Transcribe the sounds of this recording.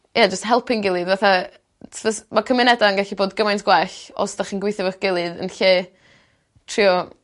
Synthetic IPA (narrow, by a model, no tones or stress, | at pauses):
jad͡ʒəsthɛlˠpʰɪnɡɪlˠɨdvaθa | vəsmakʰəmɪnɛdaənɡɛɬiboːdɡəmajntʰɡ̥wɛɬɔ̰sd̥aχiːnɡwɪjθɪvɔχɡ̥ɪlˠɨðə̰nɬeː | tʰriɔ